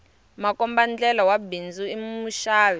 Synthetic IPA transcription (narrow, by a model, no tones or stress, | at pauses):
makɔmband͡ɮɛlɔwabind͡zuimmuʃaːwɛ